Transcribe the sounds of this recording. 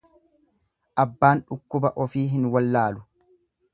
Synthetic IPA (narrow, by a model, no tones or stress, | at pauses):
ʔɐbːaːnᶑʊkːʊbɐʔɔfiːɦɪnwɐlːaːlʊ